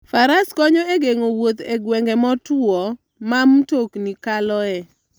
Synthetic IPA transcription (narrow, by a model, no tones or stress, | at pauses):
faɾaskɔɲɔeɡeŋowot̪eɡwɛŋɡɛmɔtwɔ | mamtoknikalɔɛ